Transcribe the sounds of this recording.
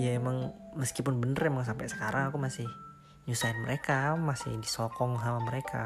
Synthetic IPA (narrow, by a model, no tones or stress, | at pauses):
ijaemaŋməskipʊnbənərɛmaŋs̬ampɛʔsə̥kaɾʔaŋakumasɪh | ɲusaɪnməɾekamasɪ̰hdisɔkɔŋɦawaməɾekʰa̰